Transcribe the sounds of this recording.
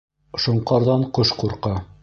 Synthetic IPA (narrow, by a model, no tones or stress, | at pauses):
ʃŏɴqɑɾðɑɴqoʃquɾqɑ